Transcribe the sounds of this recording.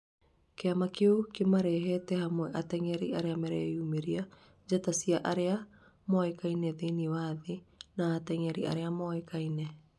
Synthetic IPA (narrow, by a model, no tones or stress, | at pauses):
keamakeokemaɾɛɦɛtɛhamwɛʔatɛŋɛɾiaɾeamɛɾɛumeɾia | d͡ʒatasiaʔaɾea | moaekainɛðeniwaðenaːtɛŋɛɾḭa̰ɾeamɔekainɛ